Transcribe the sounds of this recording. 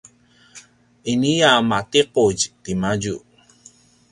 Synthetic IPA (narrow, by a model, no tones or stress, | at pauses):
iniamat̪iquɟt̪imaɟu